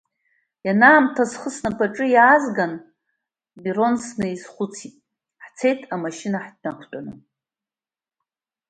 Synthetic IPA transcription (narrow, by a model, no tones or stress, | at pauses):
janaːmtʰazχəsnapʰʼaʈ͡ʂʼɨjaːzɡan | biro̞nsnɨizχʷut͡sʰitʼ | ħt͡sʰe̞jtʰamaʃinaħdnakʷʰtʼanɨ